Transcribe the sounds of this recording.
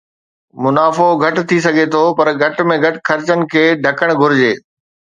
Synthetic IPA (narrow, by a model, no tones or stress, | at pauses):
mʊnaːfoɡʱɐʈ̆t̪ʰis̬ɐɡʱet̪ʰopɐɾɡʱɐʈmẽɡʱɐʈxɐɾt͡ɕənɪ̆kʰeːɖʱɐkəɽ̃ɡʱʊɾɪd͡ʑeː